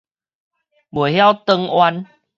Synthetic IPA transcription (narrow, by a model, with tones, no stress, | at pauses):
bwə˨˩ɦja˥˦wt̪ə˧ŋwa˧n